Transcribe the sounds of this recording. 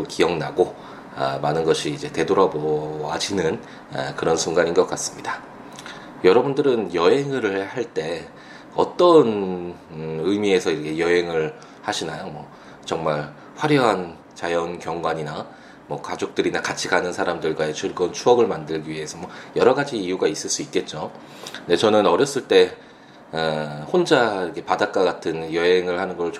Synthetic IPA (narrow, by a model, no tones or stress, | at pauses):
kijʌŋnaɡo | ʌ̰manɯnɡʌɕʰiːd͡ʑe̞te̞doɾaboad͡ʑinɯn | kɯɾʌnsʰuŋɡaɲinɡʌk͈as͈ɯ̥mɲida | jʌɾʌbundɯɾɯnjʌɦe̞ŋɯɾɯɭhaɭt͈e̞ | ʌ̰t͈ʌn | ɯmie̞sʰʌiɾʌkʰe̞jʌɦe̞ŋɯɭ | haɕʰinajomwʌ | t͡ɕʌŋmaɭ | ɸwaɾjʌɦan | t͡ɕajʌnkjʌŋɡwaɲina | mʌkad͡ʑok̚t͈ɯɾinakat͡ɕʰiɡanɯnsʰaɾamdɯɭɡwaet͡ɕɯɭɡɯnt͡ɕʰuʌɡɯɭmandɯɭɡiɥiɦe̞sʰʌmwʌjʌɾʌɡad͡ʑiːjuɡais͈ɯɭs͈uit̚k͈e̞t̚t͡ɕ͈o | nde̞t͡ɕʌnɯnʌɾjʌs͈ɯɭt͈e̞ | hond͡ʑaiɾkʰe̞padak͈aɡatʰɯnjʌɦeŋɯɭhanɯnɡʌɯɭ